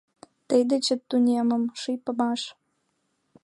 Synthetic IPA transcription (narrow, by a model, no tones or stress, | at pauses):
t̪əjd̪ĕt͡ɕə̆t̪ːunʲemə̆mʃijpə̆mɑʃ